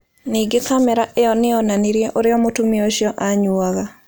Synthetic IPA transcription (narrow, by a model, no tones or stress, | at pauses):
niɡɪkamɛɾaʔeɔnɪɔnaniɾjeʔoɾɪɔmotumioʃjɔʔaɲuaɣa